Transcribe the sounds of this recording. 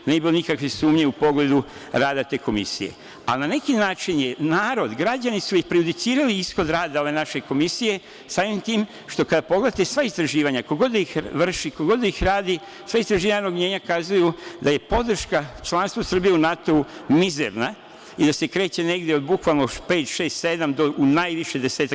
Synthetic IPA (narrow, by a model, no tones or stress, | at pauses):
nejebilo̞nikakʋesuːmɲeupo̞ɡle̞d̪u | ɾaːd̪at̪e̞ːko̞mḭsije̞̰ | a̰lnane̞kinaːt͡ʃinjenaːɾo̞d̪ɡɾad͡ʑanisuiçpɾejud̪it̪siːɾaliisxo̞d̪ɾaːd̪ao̞ʋe̞naʃe̞ko̞misije̞ | saːʋimt̪iːm | ʃt̪o̞kad̪apo̞ɡle̞d̪at̪esʋaist̪ɾaʒiːʋaɲakoɡo̞d̪ixʋr̩ʃikoɡo̞d̪ixɾaːd̪i | sʋaist̪ɾaʒiːʋaɲanoɡɲe̞ːɲakazujud̪aje̞po̞d̪r̩ʃkat͡ʃlˠanst̪ʋosɾr̩bije̞unat̪o̞umizḛɾna | id̪ase̞kɾe̞ːt͡ɕe̞ne̞ɡd̪jeod̪bukʋalnope̞ːt̪ʃe̞ːst̪se̞d̪amd̪o̞ʔunajʋiʃe̞d̪eseːt̪a